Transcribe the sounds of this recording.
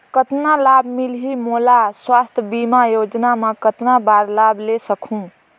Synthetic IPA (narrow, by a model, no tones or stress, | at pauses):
kət̪nalabmilɦimolaswast̪ʰbimajod͡ʒnamekət̪nabaɾlablesəkʰũ